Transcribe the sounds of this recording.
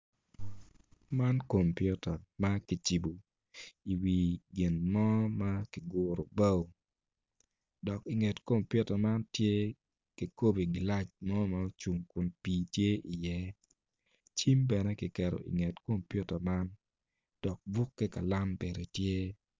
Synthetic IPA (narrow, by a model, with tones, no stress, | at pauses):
ma˦nko˨mpju˦tɐ˨ma˦ki˨t͡ʃi˨bu˨ | i˨wi˨ɡɪ˨nmɔ˦ma˦ki˨ɡʊɾo˨ba˦w | dɔ˨ki˨ŋɛ˨tko˦mpju˦tɐ˨ma˦ntje˦ | ki˨ko˦bi˨ɡɪ˨la˦t͡ʃmɔ˦ma˦t͡ʃu˨ŋkʊ˨npiː˨tje˦ʔi˨jɛ˦ | t͡ʃi˦mbɛ˨nɛ˦kɪ˨kɛ˨ɾo̰˨ʔḭ˨ŋɛ˨tko˦mpju˦tɐ˨ma˦n | d̥ɔ˨k̚bu˦kːɛ˦ka˨la˦mbe˨ɾe˨tje˦